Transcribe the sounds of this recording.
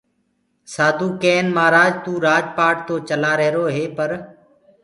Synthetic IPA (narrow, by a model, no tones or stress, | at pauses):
saːd̪ʱuːkeːnmaːɾaːd͡ʒt̪uːɾaːd͡ʒpaːʈ̚t̪oːt͡ʃəlaːɾeɦːɾoːɦeːpəɾ